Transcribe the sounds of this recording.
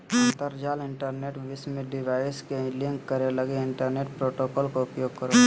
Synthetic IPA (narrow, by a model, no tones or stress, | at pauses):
ənt̪əɾd͡ʒaːlɪɳʈəɾneːʈʋɪsmẽɖɪʋaːɪskẽlɪ̃ŋkːəɾeləɡeɪɳʈəɾneːʈpɾoːʈokɔːlkoʊpjoːɡ̚kəɾo